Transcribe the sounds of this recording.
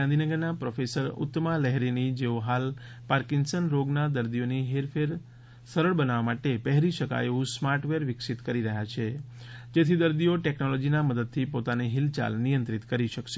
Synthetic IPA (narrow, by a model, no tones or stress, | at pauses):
ãnd̪ʱinəɡəɾnapɾofesəɾʊ̰t̪ːmalɛɦɾinid͡ʒeoɦal | paɾkɪŋɡsənɾoɡnad̪əɾd̪ijoniɦeɾfʰeɾ | səɾəɭbənaʋamaʈepɛɦɾiʃəka̰jeũsmaɾʈʋeɾʋɪksit̪kəɾiɾəɦjat͡ʃʰe | d͡ʒet̪ʰid̪əɾd̪ioʈɛknolɔd͡ʒinaməd̪əd̪̚t̪ʰipot̪aneɦɪlt͡ʃa̰lnijə̃nt̪ɾɪt̪kəɾiʃəkʃe